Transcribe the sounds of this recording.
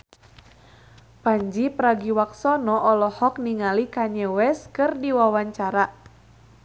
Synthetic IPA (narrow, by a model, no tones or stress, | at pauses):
paɲd͡ʒipɾaɡiwak̚sɔnɔʔɔlɔhɔk̚niŋalikaɲɛwɛskɨrdiwawaɲt͡ʃaɾa